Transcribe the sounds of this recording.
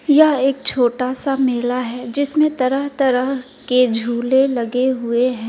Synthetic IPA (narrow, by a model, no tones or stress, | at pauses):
jɐɦeːk̚t͡ʃʰoːʈaːsamɪːlaɦɛːd͡ʒɪsmẽt̪ɐɾəɦt̪ɐɾəɦ | ked͡ʒʱuːlelɐɡeɦʊeɦɛ̃ː